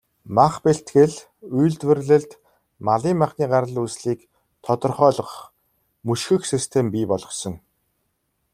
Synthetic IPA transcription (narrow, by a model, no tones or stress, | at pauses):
maχpeɬt̪ɡɘ̆ɮ | ujɮt̪wɘ̆rɮɘ̆ɮt̪ | maɮiːŋmaχniːɢaɾə̆ɮusɮiːk | t̪ʰɔt̪ɞ̆rχœːɮɞ̆χ | mɵʃxɘ̆xsist̪ʰempiːpɔɮʁɞ̆sɞ̆ŋ